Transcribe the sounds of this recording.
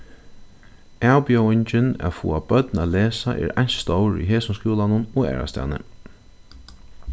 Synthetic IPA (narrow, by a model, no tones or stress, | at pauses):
aːwpjɔwɪɲt͡ʃɪna̰fṵːabœt̪naleːsaʔɛ̰ːɾaɲ̥sst̪owɹḭɦeːsʊmskuːlanʊnɔɣɛ̰ːɹa̰st̪ɛ̰ːnə̰